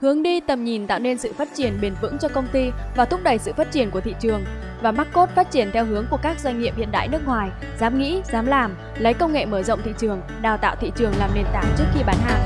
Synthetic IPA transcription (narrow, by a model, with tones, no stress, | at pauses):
hɨ˨˦əŋɗi˧t̪ə˨˩mɲi˨˩nt̪a̰ː˧˨wne˧nsɨ̰˧˨faː˦˥t̚t͡ɕi˧˩ənɓe˨˩nvɨ̰˧˥ŋt͡ɕɔ˧kə˧wŋ͡mt̪i˧vaː˨˩t̪ʰʊ˦˥k͡p̚ɗə˨˩jsɨ̰˧˨faː˦˥t̚t͡ɕi˧˩ənku˧˩ət̪ḭ˧˨t͡ɕɨ˨˩əŋ | vaː˨˩ma˦˥t̚ko˦˥t̚faː˦˥t̚t͡ɕi˧˩ənt̪ʰɛ˧wɦɨ˨˦əŋku˧˩əkaː˦˥k̚zwa˧jŋ̟ŋḭ˧əp̚hḭ˧˨ənɗa̰ː˧˨jnɨ˦˥ək̚ŋwaː˨˩j | zaː˨˦mŋḭ˧˥zaː˨˦mlaː˨˩m | lə˨˦jkə˧wŋ͡mŋḛ˧˨məː˧˩zə̰˧˨ŋ͡mt̪ʰḭ˧˨t͡ɕɨ˨˩əŋ | ɗaː˨˩wt̪a̰ː˧˨wt̪ʰḭ˧˨t͡ɕɨ˨˩əŋlaː˨˩mne˧˩nt̪aː˨˦ŋt͡ɕɨ˦˥ək̚xi˧ɓaː˨˦nha̰ː˧˨ʔ